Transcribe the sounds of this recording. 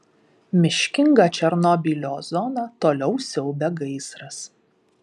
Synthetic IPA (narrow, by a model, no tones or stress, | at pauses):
mʲɪʃʲkʲɪŋɡɑːˑt͡ʃʲɛɾnɔbʲilʲoːzɔnɑt̪oːlʲɛʊsʲɛʊbʲɛɡɐɪsɾɐs